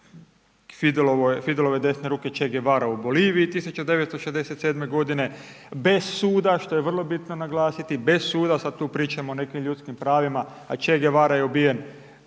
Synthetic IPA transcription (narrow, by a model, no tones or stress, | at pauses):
fid̪loofid̪elo̞ʋe̞d̪e̞sne̞ɾuːke̞t͡ʃeɡeʋaːɾaubo̞liːʋiːt̪isut͡ʃad̪e̞ʋet̪st̪oʃezd̪e̞set̪se̞ːd̪me̞ɡo̞d̪ine̞ | be̞ssuːd̪aʃt̪o̞jeʋr̩lˠo̞bit̪no̞naɡlaːsit̪ibe̞ssuːd̪asad̪̚t̪uːpɾiːt͡ʃamoːne̞kimʎʲut̪skimpɾaːʋima | at͡ʃeɡeʋaɾajeubije̞n